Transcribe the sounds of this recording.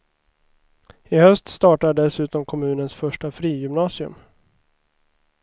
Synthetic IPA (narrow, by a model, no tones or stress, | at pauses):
ɪhœst̪st̪ɑːʈaɖɛsʉ̟ːt̪ɔmkʰɔmʉ̟ːnənsfœʂʈafɾiːjɵmnɑːsɪɵ̰m